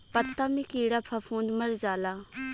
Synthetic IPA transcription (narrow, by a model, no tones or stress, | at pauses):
pət̪ːaːmikiːɽaːpʰapʰõːnd̪məɾd͡ʒaːlaː